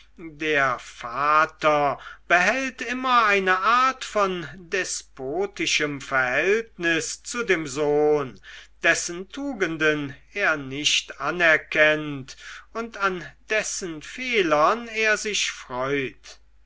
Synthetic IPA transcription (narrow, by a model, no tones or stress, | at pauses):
deːɐfaːtɐb̥əɦɛltɪmɐaɪnəʔaɐtfɔndɛspʰoːtɪʃəmfɛɐhɛltnɪst͡sudeːmzoːnd̥ɛsəntʰuːɡəndənʔeːɐnɪʃtʔanɛɐkʰɛntʊntand̥ɛsənfeːlɐneːɐzɪʃfʁ̥ɔʏt